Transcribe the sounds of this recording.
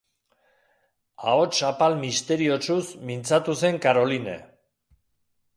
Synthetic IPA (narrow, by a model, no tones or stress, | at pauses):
a̰ot͡ʃapalmist̪e̞ɾiot͡ʃusmint͡sat̪use̞ŋkaɾo̞linḛ